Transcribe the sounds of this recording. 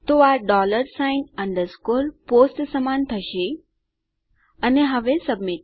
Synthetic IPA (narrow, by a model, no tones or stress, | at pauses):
t̪oaɾɖɔləɾsãjnə̃ɳɖəɾskolposʈsəmant̪ʰəɕe | əneɦəʋesəbmiʈ̚